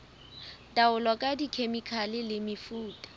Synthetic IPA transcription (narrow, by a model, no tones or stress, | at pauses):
tʼaʊlɔkʼadikʰemikʰalɪlɪmɪfuːtʼḁ